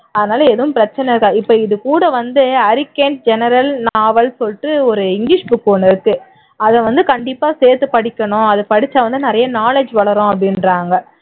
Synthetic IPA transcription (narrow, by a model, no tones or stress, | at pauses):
ɐðɐnaːlɐɛðɐʋʊ̃mpɪɾɐt͡ʃːɐnɛɾɯkːaɪpːoɪðɯkuːɽɐʋɐnd̪ɯɐɾɪkːeːɳʈ̚d͡ʒɛnɐɾɐlnaːʋɐlsɔlʈːɯɔɾɯɪŋɡlɪʂbʊkːoːnɪɾɯkːɯ | ɐðɛʋɐnd̪ɯkɐɳɖɪpːaːseːɾt̪ɯpɐɽɪkʲːɐɳʊ̃ɐðɯpɐɽɪt͡ʃːɐʋɐnd̪ɯnɪɾɐjɐnaːled͡ʒʋɐɭɐɾʊ̃ɐpːɽɪnɾaːŋɡɐ